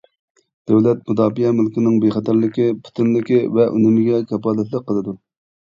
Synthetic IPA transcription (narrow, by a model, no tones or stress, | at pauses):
d̪̥ɛwlɛt̪̚mud̪ɑːpijɛmɪlkʲɪnɪŋbeχɛt̪ʰæɾlɪkʲɪpʰu̥t̪ʰɪnlɪkʲɪvɛʔy̰nɪmɪɡʲɛkʲʰɛpɑːlɛt̪lˠəq̚qːəlˠɨd̪u